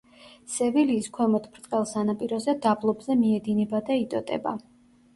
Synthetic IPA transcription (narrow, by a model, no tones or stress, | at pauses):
sɛviliːskʰwɛmɔt̪ʰpʰɾt̪ʼqʼɛlˠsanapʼiɾɔzɛd̪ablˠɔbzɛmiɛd̪inɛbad̪ait̪ʼɔt̪ʼɛ̰ba̰